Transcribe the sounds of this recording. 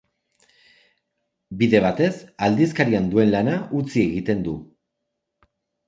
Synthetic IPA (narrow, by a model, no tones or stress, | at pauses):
biðe̞β̞at̪e̞sald̪is̬kaɾiand̪ue̞nlanaʔut͡sie̞ɣit̪e̞nd̪u